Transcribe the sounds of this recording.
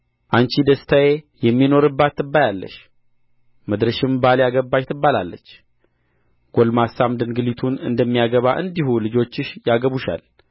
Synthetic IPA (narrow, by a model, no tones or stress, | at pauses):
ʔant͡ʃid̪əst̪ʰaje | jɛmːino̞ɾɨbːat̪ːɨbːajalːə̰ʃ | məd̪ɾəʃɪmbaljaɡəbːaʃt̪ʰɨbːalalːə̰t͡ʃː | ɡ̥olmasamd̪ɨnɡɨlit̪ʰunɨ̰nd̪əmːijaɡəβaʔɨnd̪ihulɨd͡ʒo̞t͡ʃːɪʃjaɡəβuʃa̰l